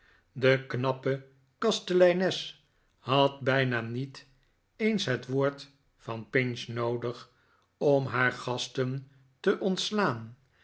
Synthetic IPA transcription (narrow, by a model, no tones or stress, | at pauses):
dəknɑpə | kɑstəlɛjnɛs | hɑt̚bɛjnaːnit | ejnsɦətʋoːɹt | fɑnpɪnsnowdəχ | ɔmɦaːɹχɑstən | təʔɔntslaːn